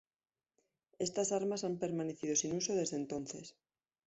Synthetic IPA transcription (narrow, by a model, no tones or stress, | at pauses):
e̞st̪asaɾmasampe̞ɾmane̞θið̞o̞sinuso̞ð̞e̞zðent̪o̞nθes